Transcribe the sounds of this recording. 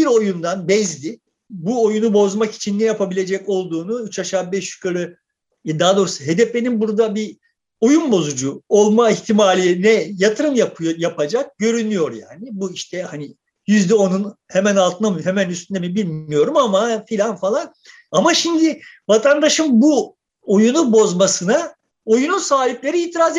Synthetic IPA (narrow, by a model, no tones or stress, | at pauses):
biɾo̞jund̪anbɛzd̪ʲɪ | buo̞junubo̞zmaki̥t͡ʃʰinːɛjapʰabilʲe̞d͡ʒɛco̞lˠd̪uːnuyt͡ʃʰaʃaːbɛʃʃu̥kʰaɾɯ | d̪aɦad̪o̞ɾusaɦe̞d̪ɛflʲe̞ninbuɾd̪abi | o̞junbo̞zud͡ʒuo̞lˠmaiçt̪ʰimaːlʲijnɛjat̪ʰɯɾɯmjapjapad͡ʒak̚ɟø̞ɾynyjo̞ɾja̰ːnɪbuiʃt̪ʰɛhani | jyzd̪ɛo̞nunhemænalˠt̪ʰɯnamɦemænyst̪ʰynɛmibilʲmijo̞ɾumamafilʲanfalˠan | amaʃind̪ɪvat̪ʰand̪aʃɯmbu | ojunubo̞zmasɯna | o̞jununsaːɦiplʲe̞ɾiiːt̪ʰiɾaːz